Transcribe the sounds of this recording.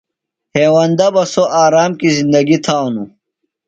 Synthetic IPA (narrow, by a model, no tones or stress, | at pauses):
heːwɐnd̪ɐbɐsoʔaːɾaːmkizind̪ɐɡit̪ʰaːwnu